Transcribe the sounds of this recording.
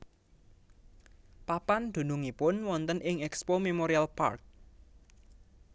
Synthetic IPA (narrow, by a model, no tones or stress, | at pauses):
papand̪̥ṳnʊŋipʊnwɔnt̪ənʔɪŋɛkspomemoɾialpa̰rk̚